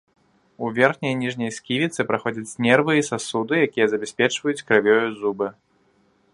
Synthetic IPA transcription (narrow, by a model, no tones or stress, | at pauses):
uvʲɛrxnʲɐjnʲiʐnʲɐjskʲivʲit̪sɨpɾaxɔd͡zʲɐt͡sʲnʲɛrvɨisasud̪ɨjakʲijɐzɐbʲɛsʲpʲɛt͡ʂvɐjut͡sʲkɾavʲɔjuzubɨ